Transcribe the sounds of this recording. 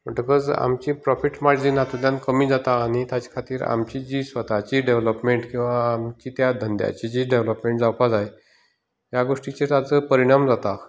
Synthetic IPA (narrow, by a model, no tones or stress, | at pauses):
məʈəkɔd͡za̰mt͡ɕipɾɔfiʈmaɾd͡ʑd͡ʑiːnat̪ud̪jãnkəmiːd͡zat̪aːɽ̃it̪jat͡ɕḁkʰat̪iːɾa̰mt͡ɕid͡ʑiːsʋət̪at͡ɕiɖeʋləpmeɳʈkĩw̃ʋaːmt͡ɕiːt̪jad̪ʱənd̪ja̰t͡ɕid͡ʑiːɖeʋləpmẽɳʈd͡zawpad͡zaj | ɦjaɡoʂʈit͡ɕet̪at͡səpəɾiɽ̃amd͡zat̪a